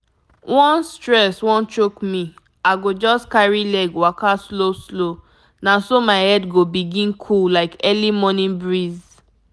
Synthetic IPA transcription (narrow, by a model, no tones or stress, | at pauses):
wɔ̃nstɹɛswɔ̃nt͡ʃokmĩ | aɪɡod͡ʒɔskaɹilɛɡwakasloslo | nãsomaɪhɛdɡobiɡĩnkʰullaɪkɛlimɔnĩnbɹiz